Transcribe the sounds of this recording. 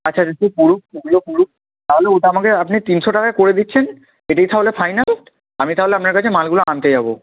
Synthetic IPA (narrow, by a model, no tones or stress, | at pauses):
at͡ɕːɕʰaatipuɾukeɡulopuɾuʃ | t̪aɦoleoʈoamakeapnit̪inʃoʈakakoɾed̪itːɕʰen | eʈajt̪aɦolefʰajnal | amit̪aɦoleapnaɾkat͡ɕʰemalɡuloant̪ed͡ʑabo